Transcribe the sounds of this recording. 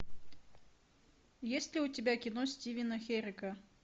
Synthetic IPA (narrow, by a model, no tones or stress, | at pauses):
jesʲt̪ʲlʲɪʊtʲɪbʲakʲɪnosʲtʲivʲɪnəxʲeɾʲɪkə